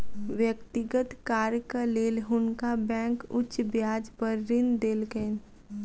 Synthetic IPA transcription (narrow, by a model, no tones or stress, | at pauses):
ʋjəkt̪ɪɡət̪kaːɾjəkaleːlɦʊnkabɛ̃ːŋkʊt͡ʃbjaːd͡ʒpəɾːɪnd̪eːlken